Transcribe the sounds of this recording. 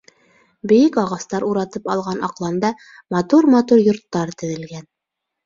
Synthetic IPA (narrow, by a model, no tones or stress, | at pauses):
bɘ̆jɘkɑʁɑst̪ɑɾuɾɑt̪ɤpɑlˠʁɑnʔɑqlˠɑnd̪ɑ | mɑt̪uɾmɑt̪uɾjŏɾt̪ːɑɾt̪ɘ̆ðɘ̆lɡæn